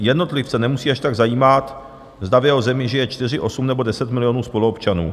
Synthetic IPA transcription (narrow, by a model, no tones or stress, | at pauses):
jɛdno̞t̪lɪft͡sɛnɛmusiːaʃt̪aɡzajiːmat̪ | zd̪avjɛɦo̞zɛmɪʒɪjɛt͡ʃt̪ɪr̝ɪʔo̞sumnɛbo̞dɛsɛt̪mɪlɪjo̞nuːspo̞luopt͡ʃanṵː